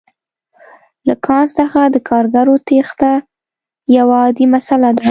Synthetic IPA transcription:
lakʰɑnsəxad̪əkʰɑɾɡaɾot̪ext̪a | jawaːd̪imasalad̪a

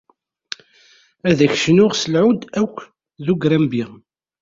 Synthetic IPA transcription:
æðæçʃənʊʁsəlʕʊd̪ækʷː | ðuɡɾæmbiʁ

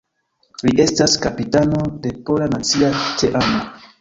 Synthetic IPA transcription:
liʔe̞staskapitano̞depo̞lanat͡siateʔano

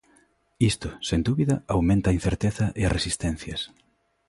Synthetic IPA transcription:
ist̪ʊsend̪uβiðɐawmẽnt̪aːin̟θeɾt̪eθɐʔeɐrʔesist̪ɛn̟θjɐs

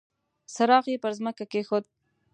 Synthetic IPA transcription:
saɾɑɣjepəɾzməkakexod̪̚

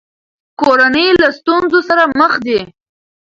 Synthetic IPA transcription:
koɾanəjlast̪unzosaɾaməxd̪e

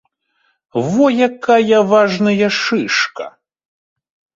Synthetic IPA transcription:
vɔjakajɐvaʐnɐjɐʂɨʂkɐ

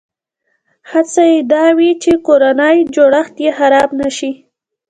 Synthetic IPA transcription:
hat͡sajed̪ɑwit͡ʃekoɾanəjd͡ʒoɽaxt̪jexaɾɑbnaʃi

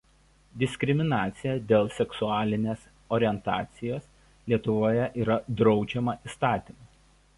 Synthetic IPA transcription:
d̪ʲɪsʲkʲɾʲɪmʲɪnɑːt̪sʲɪjɛd̪ʲeːlˠsʲɛksʊɑːlʲɪnʲeːs | oːɾʲɪɛnt̪ɑ̰ːt̪sʲɪjoːs | lʲiɛt̪ʊʋoːjɛʔiːɾɐd̪ɾɒʊd͡ʒʲɛmɐʔiːst̪ɑːt̪ʲimɐ

